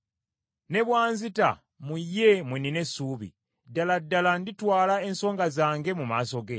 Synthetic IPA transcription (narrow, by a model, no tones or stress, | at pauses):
ne̞βwaːnzita̰ | mujːe̞mwenine̞sːuːβḭ | daladːalanditwaːlae̞nso̞ːŋɡazaːŋɡe̞mumaːso̞ɡe